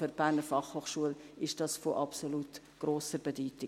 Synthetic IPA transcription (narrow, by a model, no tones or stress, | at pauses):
øɾb̥æːɾnəɾfɑχhoːχʃuəlɪʃd̥ɑːsfoʔɑpsolut | ɡ̥roːsəɾbɛdyːtɪ